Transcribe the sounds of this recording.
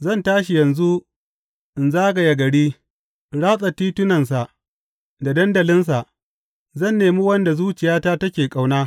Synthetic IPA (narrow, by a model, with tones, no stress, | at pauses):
zɐ˦˨ntaː˦ʃi˨jɐ˨nzu˦ | ʔɪ˨nzaː˦ɡa˨ja˨ɡɐ˨ɽiː˦ | ɽaː˦sʼa˨tiː˦tʊ˦nɐ˨ns̬a˨ʔ | da˨dɐ˦ndɐ˨lɪ˦ns̬a˨ʔ | zɐ˦˨nːeː˨mi˦wɐ˦nda˨zuː˦t͡ʃɪ˨jaː˦taː˦tɐ˦kʲeː˨kʼa˨wnaː˦